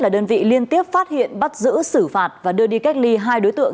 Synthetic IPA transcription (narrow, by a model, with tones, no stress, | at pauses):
laː˨˩ɗəː˧nvḭ˧˨li˧ənt̪i˦˥əp̚faː˦˥t̚hḭ˧˨ənɓa˦˥t̚zɨ̰˧˥sɨ˧˩faː˨˩t̚vaː˨˩ɗɨ˧əɗi˧ka˦˥k̚li˧ɦaː˧jɗo˨˦jt̪ɨ̰˧˨əŋ